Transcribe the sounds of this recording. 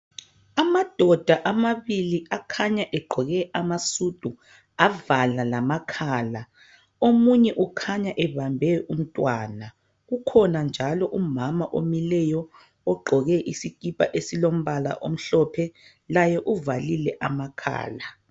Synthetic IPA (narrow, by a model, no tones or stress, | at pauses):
amad̥ʱɔd̥ʱaʔamaβiliakʰaɲaʔɛɡ͡ǃʱɔɣɛʔamasud̥ʱu | avalalamakʰaːla | omuɲɛʔukʰaɲaʔɛβambʱɛʔum̩tʼwaːna | ɣukʰɔnand͡ʒʱalɔʔumamaʔomilɛjɔː | ɡ͡ǃʱɔɣɛʔisikʼipʼaʔesilom̩βala̰ʔom̩ɬɔpʰɛ | lajɛʔuvalilɛʔamakʰa̰ːla